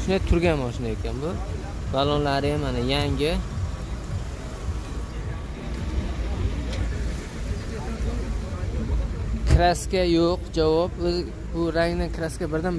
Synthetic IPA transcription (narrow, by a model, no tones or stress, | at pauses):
ʃʊnat̪ʰːʊɾɡʲanmɒʃɪnaekʲʰanbʊ | balˠɒnlaɾɪjamanɪjaŋɡʲɪ | kʲʰɾaskʲajoqd͡ʒavɒpɵzɪ | bʊɾaŋnɪkʲʰɪɾaskʲabɪɾd̪an